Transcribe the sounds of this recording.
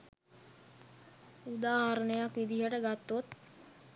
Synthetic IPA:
ud̪aːɦaɾəɳəjakʋid̪iɦəʈəɡat̪ːot̪

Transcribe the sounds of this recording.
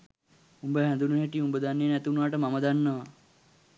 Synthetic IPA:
umbəɦɛ̃nd̪unuɦeʈiumbəd̪anːejːnæt̪unʋaʈəmaməd̪anːəʋa

